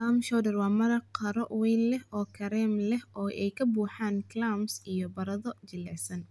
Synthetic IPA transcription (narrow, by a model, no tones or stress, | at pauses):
amʃɔwdɛrwɑːmɐɾɐqʰɐɾɔʔwɛjnlɛhɔːkʰɐɾɛmlɛhʔɔːʔɛjkʰɐbuːħaːnklamsijɔbɐɾɐðɔt͡ʃɪlɛsɐn